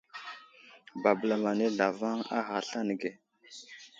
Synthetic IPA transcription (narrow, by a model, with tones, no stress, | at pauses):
ba˨bə˨la˨ma˨ne˦da˨va˦ŋa̰˦ɦa˨ɬa˦nə˨ɡe˨